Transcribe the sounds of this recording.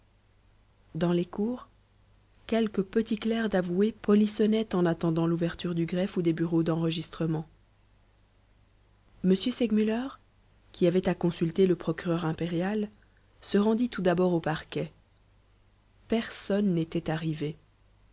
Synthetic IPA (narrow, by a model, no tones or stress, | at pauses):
d̪ɑ̃lekuːʁ | kʲɛlkəpət̪iklɛʁd̪avuepɔlisɔnɛt̪ɑ̃nat̪ɑ̃d̪ɑ̃luvɛʁt̪yʁd̪yɡʁɛfud̪ebyʁod̪ɑ̃ʁəʒist̪χəmɑ̃ | məsjøsɛɡmylœʁ | kʲiavɛt̪akɔ̃sylt̪eləpχɔkʲyʁœʁɛ̃peʁjal | səʁɑ̃d̪it̪ud̪abɔʁopaʁkʲɛ | pɛʁsɔnːet̪ɛt̪aʁive